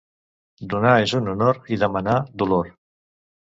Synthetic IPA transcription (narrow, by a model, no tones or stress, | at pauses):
d̪unaezununoɾiðəmanad̪uloɾ